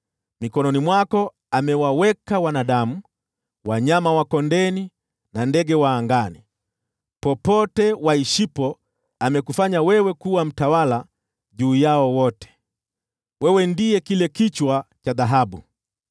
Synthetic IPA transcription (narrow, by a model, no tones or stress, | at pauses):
mikɔnɔnimwakɔ | amɛwawɛkawanaɗamu | waɲamawakɔndɛni | nandɛɡɛwaːŋɡani | pɔpɔtɛwaiʃipɔ | amɛkufaɲawɛwɛkuwam̩tawala | ʄuːjaɔwɔtɛ̥ | wɛwɛndiɛkilɛkit͡ʃwat͡ʃaðaɦaɓṵ